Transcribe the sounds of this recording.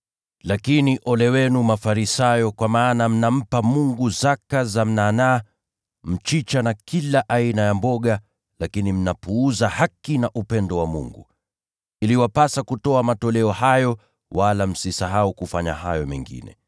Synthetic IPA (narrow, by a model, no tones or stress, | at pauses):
lakiniʔɔlɛwɛnumafaɾisajɔkwamaːnam̩nam̩pamuŋɡuzakazam̩nana | m̩t͡ʃit͡ʃanakilaʔainajambɔɠa | lakinim̩napuːzahakinaʔupɛndɔwamṵŋɡu | iliwapasakutɔamatɔlɛɔhajɔ | walam̩sisaɦaukufaɲa̰hajɔmɛ̰ŋɡḭnɛ̰